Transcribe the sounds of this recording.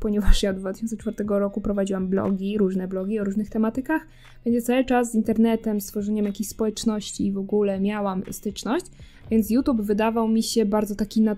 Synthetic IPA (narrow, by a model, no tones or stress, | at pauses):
pɔɲɛvaʂjaɔd̪d̪vat̪ɘ̥ɪɕɔnt̪sɛt͡ʂfaɾt̪ɛɡɔɾɔkupɾɔvad͡ʑiwamblɔ̰ɡʲiɾuʐnɛblɔɡʲiɔɾuʐnɘxt̪ɛmat̪ɘkax | b̥ɛɲd͡ʑɛt̪sawɘt͡ʂaszːint̪ɛɾnɛt̪ɛmst̪fɔʐɛɲɛmjakʲeɕspɔwɛt͡ʂnɔɕt͡ɕivɔɡulɛmʲjawamst̪ɘt͡ʂnɔɕd͡ʑ | vʲjɛnt̪sjut̪ubvɘd̪avawmʲiɕɛbaɾd̪zɔt̪akʲina